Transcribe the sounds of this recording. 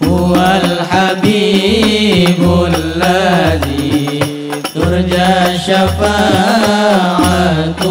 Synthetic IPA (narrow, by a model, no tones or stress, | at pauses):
hʊwalħabiː | bʊlːazi | t̪ʊɾd͡ʒaʃafa | ʕat̪